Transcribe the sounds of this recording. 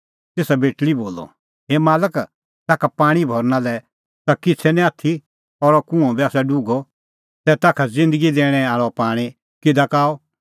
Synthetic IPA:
t̪eːsabeːʈliboːlɔ̰ | ɦeːmaːlək | t̪aːkʰapaːɽ̃ibʱɔːɾnalɛ | t̪akɪt͡sʰɛnĩaːt̪ʰi | ɔɾɔkũɔ̃biaːsɛɖuɡɔ | sɛt̪aːkʰad͡zɪ̃nd̪əɡid̪eːɽ̃ɛaːɭɔpaːɽ̃ĩ | kɪd̪akaːɔ

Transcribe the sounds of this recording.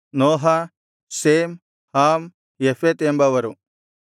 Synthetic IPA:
noːɦɐ | seːm | haːm | jefet̪embɐʋɐɾu

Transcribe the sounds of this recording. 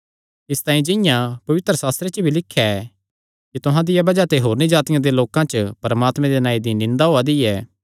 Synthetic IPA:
ɪst̪ãːĩd͡ʒɪ̃jãpɐʋɪt̪ɾəsaːst̪ɾet͡ʃəbʱilɪkʰːjaɛ | kit̪ʊɦãd̪ɪjabɐd͡ʒat̪eɦoːɾnid͡ʒaːt̪ɪjãd̪eloːkãt͡ʃəpɐɾəmaːt̪mẽd̪enaːid̪inɪ̃nd̪aɦoːad̪iɛː

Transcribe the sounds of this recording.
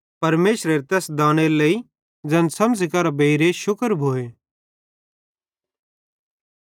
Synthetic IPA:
pɐɾmeːʃɾeɾet̪ɛːsd̪ãːɽ̃eləi | d͡zɐ̃nsɐmd͡zɪkaɾabeiɾeʃʊkəɾbʱoːeː

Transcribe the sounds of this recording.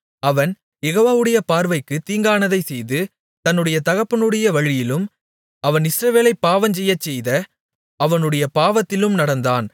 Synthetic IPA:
ɐʋɐn | jɛɣoːʋaːʋɯɽɐjɐpaːɾʋɐɪkːɯt̪iːŋɡaːnɐðɐɪsɛjðɯ | t̪ɐnːɯɽɐjɐt̪ɐɣɐpːɯnɯɽɐjɐʋɐɻɪjɪlɯm | ɐʋɐnɪsɾɐʋeːlɐɪpːaːʋɐɲd͡ʒɛjːɐt͡ʃːɛjðɐ | ɐʋɐnɯɽɐjɐpaːʋɐt̪ːɪlɯmnɐɽɐnd̪aːn

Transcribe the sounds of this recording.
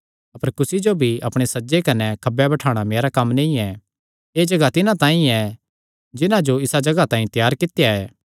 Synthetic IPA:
ɐpəɾkʊsid͡ʒobʱiɐpɽ̃esɐd͡ʒekɐnɛkʰɐbjabɐʈʰaːɽ̃ameːɾakɐmːnɐ̃ĩɛ | eːd͡ʒɐɡat̪ɪnãt̪ãːĩɛ | d͡ʒɪnãd͡ʒoɪsad͡ʒɐɡat̪ãːĩt̪jaːɾkɪt̪jaɛː

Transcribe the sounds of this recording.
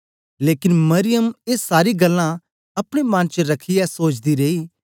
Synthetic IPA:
leːkɪnmɐɾɪjəmeːsaːɾiɡəlːã | ɐpɽ̃emãnt͡ʃɾɐkʰijɛsoːt͡ʃd̪iɾeiː

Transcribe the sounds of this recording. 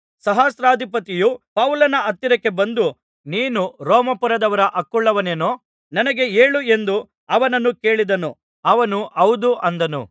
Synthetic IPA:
sɐɦaːsɾaːd̪ʱipɐt̪ijupɐwlɐnɐɐt̪ːiɾɐkːe̞bɐnd̪u | niːnuɾɔːmɐpuɾɐd̪ɐʋɐɾɐʔɐkːuɭːɐʋɐneːnoː | nɐnɐɡe̞e̞ːɭue̞nd̪u | ɐʋɐnɐnːuke̞ːɭid̪ɐnu | ɐʋɐnuʔɐwd̪uʔɐnd̪ɐnṵ

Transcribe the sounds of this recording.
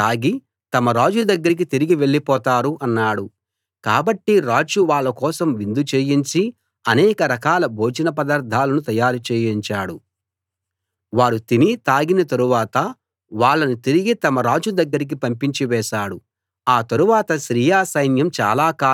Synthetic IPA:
aːɡi | t̪ɐmɐɾaːd͡ʒud̪ɐɡːɐɾik̬it̪iɾiɡiʋe̞ɭːipɔːt̪aːɾuʔɐnːaːɽu | kaːbɐʈːiɾaːd͡ʒuʋaːɭːɐkɔːsɐmʋind̪ut͡ʃeːjiɲt͡ʃi | ɐnɛːkɐɾɐkaːlɐbʱo̞ːd͡ʒɐnɐp̬ɐd̪ɐɾd̪ʱːaːlɐnut̪ɐjaːɾut͡ʃeːjiɲt͡ʃaːɽu | ʋaːɾut̪init̪aːɡinɐt̪ɐɾuʋaːt̪ɐ | ʋaːɭːɐnut̪iɾiɡit̪ɐmɐɾaːd͡ʒud̪ɐɡːɐɾik̬ipɐmpiɲt͡ʃiʋɛːʃaːɽu | aːt̪ɐɾuʋaːt̪ɐʃɾiːjaːsɐjnjɐmt͡ʃa̰ːlaːkaː

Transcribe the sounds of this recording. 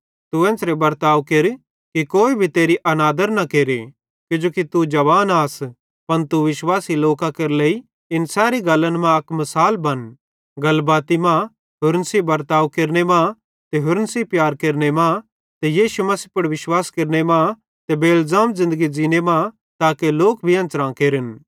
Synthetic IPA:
t̪uɛ̃ːnsɾebɐɾt̪aːʋkeːɾ | kikoːibʱit̪eːɾiʔɐnaːd̪əɾnakeːɾe | kjʊd͡ʒoːkit̪ud͡ʒɐʋaːnaːs | pɐnt̪uʋɪʃwaːsiloːkakɐɾlei | ɪnsɛːɾiɡɐlə̃nmãɐkmɐsaːlbɐn | ɡɐlbaːt̪imã | ɦʊɾnsibɐɾt̪aːʋkeːɾnemã | t̪eɦʊɾnsipjaːɾkeːɾnemã | t̪ejiːʃumɐsipɐɽʋɪʃwaːskeɾnemã | t̪ebeːlzaːmzɪ̃nd̪əɡid͡ʒiːnemã | t̪aːkeloːkbʱiɐ̃nt͡sɾãːkeːɾɪn

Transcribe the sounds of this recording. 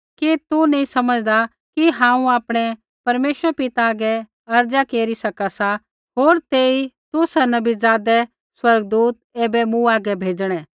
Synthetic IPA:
kit̪unɐĩsɐməd͡ʒd̪a | kiɦãːũaːpɽ̃ɛ | pɐɾmeːsəɾpɪt̪aːɡɛ | ɐɾd͡ʒakeːɾisɐkasa | ɦoːɾt̪eːit̪usɛnɐbizaːd̪ɛ | swɐɾɡ̚d̪uːt̪̚eːbɛmũaːɡɛbʱeːd͡ʒɽ̃ɛ̃ː

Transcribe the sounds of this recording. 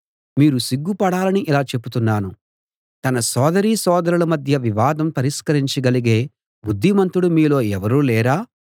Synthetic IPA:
miːɾusiɡːupɐɽaːlɐniʔilaːt͡ʃe̞put̪unːaːnu | t̪ɐnɐsɔːd̪ɐɾiːsɔːd̪ɐɾulɐmɐd̪ʱjɐʋiʋaːd̪ɐmpɐɾiʂkɐɾiɲt͡ʃiɡɐliɡe̞ː | bud̪ʱːimɐnt̪uɽumiːlo̞ːɛʋɐɾuːlɛːɾaː

